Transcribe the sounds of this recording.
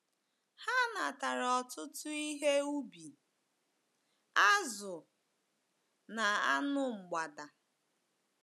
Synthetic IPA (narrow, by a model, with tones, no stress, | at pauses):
ha˦na˨ta˨ɾɔ˨tʊ˦tʊ˦i˦ɦe˦u˦bi˨ | a˦zʊ˨ | na˨a˦nʊ˦ŋ͡m̩˨ɡ͡ba˨da˨